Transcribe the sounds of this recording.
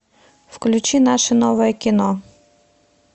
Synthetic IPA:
fklʲʊt͡ʃinaʃɛnɔʋɔjɛkʲinɔ

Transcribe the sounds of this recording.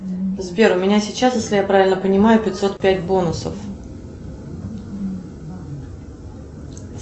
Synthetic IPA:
zbʲe̞ɾʊmʲɪnʲasʲɪt͡ɕːasjesʲlʲɪjapɾavʲɪlʲnəpənʲɪmajʊpʲɪt̪ʲso̞t̪̚pʲætʲbo̞nʊsə̰f

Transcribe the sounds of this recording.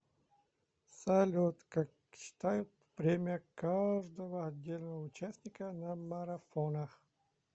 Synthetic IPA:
sɐlʲot̪kak | ɕɪ̥t̪ajʊt̪̚ | pɾʲemʲɪjəkaʐd̪əvəɐdʲːelʲnəvəʊt͡ɕasʲnʲɪkənɐmɐɾɐfonəx

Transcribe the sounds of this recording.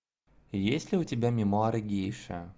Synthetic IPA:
jesʲlʲɪʊtʲɪbʲamʲɪmoaɾɨɡʲejʂɨ̰ə

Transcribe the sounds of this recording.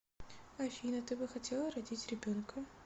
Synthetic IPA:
ɐfʲinɐt̪ɪbɨxɐtʲɛlˠɐɾɐdʲitʲrebʲɔnkɐ

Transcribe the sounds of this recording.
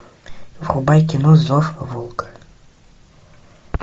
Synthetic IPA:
vrʊbajkʲinɔzɔfvulˠkḁ

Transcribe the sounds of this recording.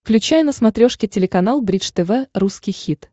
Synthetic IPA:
fklʲʉt͡ɕæjnəsmɐt̪ɾʲo̞ʂkʲɪtʲɪlʲɪkɐnalˠbɾʲit͡ʂt̪ɛvɛruskʲɪjxʲit̪

